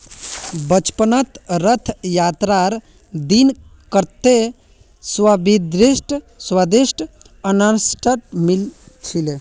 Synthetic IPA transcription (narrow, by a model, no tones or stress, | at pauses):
bət͡ʃpənət̪ɾət̪ʰjat̪ɾaɾ | d̪inkəɾt̪e | swabid̪ɾisʈ | swad̪isʈ | ənansʈʰəʈmilt͡ʃʰile